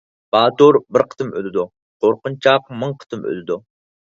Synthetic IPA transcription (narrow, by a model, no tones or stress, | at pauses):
b̥ɑːt̪oɾbɪɾqʰə̥t̪ɨmø̰lɪd̪u | qʰoɾqʊnt͡ʃʰɑq̚mɨŋqʰə̥t̪ʰɨmø̰lɪd̪u